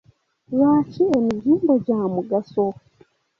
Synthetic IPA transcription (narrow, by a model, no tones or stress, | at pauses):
ɾaːciemiɟiːmboɟamuɡaso